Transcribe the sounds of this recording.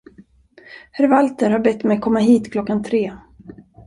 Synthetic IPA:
hæɾvalt̪əɾhaɾbɛt̪ːmɛjkʰɔmːaɦiːt̪kʰlɔkːant̪ʰɾeː

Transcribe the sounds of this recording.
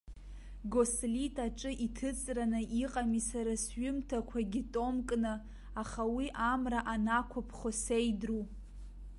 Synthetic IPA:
ɡoslitʰʼaʈ͡ʂʼɨʔitʰɨt͡sʼranɨʔiqʼamisaɾasɥʊmtʰakʷʰaɡʲɪtʼomkʼnɨ | aχawiʔamraʔanakʷʰapʰχosejdru

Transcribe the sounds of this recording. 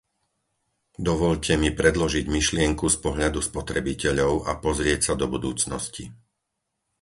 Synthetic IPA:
d̪ɔʋɔʎcʰɛmipɾɛd̪lɔʒiɟmiʃlɪɛŋkuspɔɦʎad̪uspɔt̪ɾɛbicɛʎɔʊʔapɔzɾɪɛcsad̪ɔbud̪uːt͡snɔsci

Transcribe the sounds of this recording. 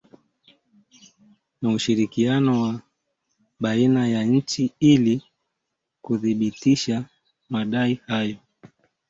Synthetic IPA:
nauʃiɾikianɔwa | ɓainajaɲ̩t͡ʃiili | kuðiɓitiʃa | maɗaihajɔ

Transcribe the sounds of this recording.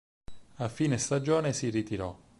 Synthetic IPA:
afiːnest̪ad͡ʒoːnesirit̪iɾɔ

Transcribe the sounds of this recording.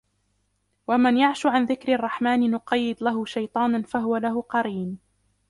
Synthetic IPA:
wamanjaʕʃʊʕanðɪkɾɪrˤːɑħmaːnɪnʊqɑjːɪd̪laɦʊʃajt̪ˤɑːnanfaɦʊwalaɦʊqɑɾiːn

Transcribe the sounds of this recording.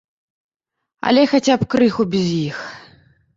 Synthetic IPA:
ɐ̰lʲɛxat͡sʲapkɾɨxubʲizjix

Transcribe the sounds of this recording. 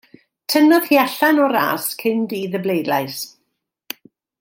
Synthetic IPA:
tʰənɔðhiɛɬanɔɾa̰ːskʰɪndiðəblejdlajs

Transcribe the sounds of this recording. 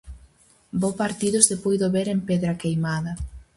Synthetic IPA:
bopaɾt̪iðʊsðepojðoβeɾempeðɾɐkejmaðɐ

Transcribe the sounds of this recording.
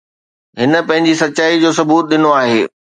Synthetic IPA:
ɦɪnə̆pɐ̃ɦɪ̃ɲd͡ʑisɐtːɕaːid͡ʑoːsʊbuːt̪̚ɗɪnoaːɦeː

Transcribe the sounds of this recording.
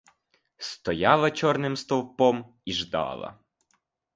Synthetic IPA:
st̪ɔjɑlˠɐt͡ʃɔrnɪmst̪ɔwpɔm | iʒd̪ɑ̰lˠɐ̰

